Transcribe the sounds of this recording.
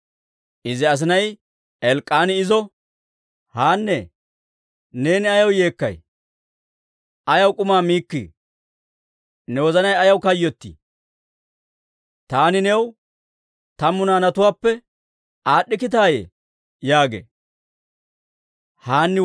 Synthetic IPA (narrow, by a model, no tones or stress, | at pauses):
ʔɪzɪɐs̬ɪnɐj | ɛlkʼːaːnɪɪzɔ | haːnːɛ | ne̞ːnɪɐjɐwje̞ːkːɐ̰j | ɐjɐwkʼʊmaːmiːkːḭː | nɛwɔzɐnɐjɐjɐwkɐjːɔt̪ːḭ | t̪aːnɪnew | t̪ɐmːʊnaːnɐt̪ʊwaːpːɛ | aːɗːɪkɪt̪aːjḛ | jaːɡḛː | haːnːɪ